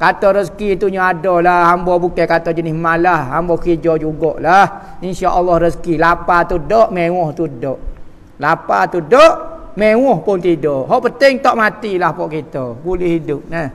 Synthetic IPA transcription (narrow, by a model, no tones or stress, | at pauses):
kat̪ɔɾəskit̪uɲaadɔlahhambɔbukakat̪ɔd͡ʒənɪsmalahambɔkid͡ʒɔd͡ʒuɡɔʔlah | inʃaʔɔlːɔhrəskilapat̪udɔʔmewɔht̪udɔʔ | lapat̪udɔʔmewɔhpʊnt̪idɔʔɦɔʔpənt̪ɪŋt̪ɔʔmat̪ilahpɔʔkit̪ɔbulɪhidʊp̚nəh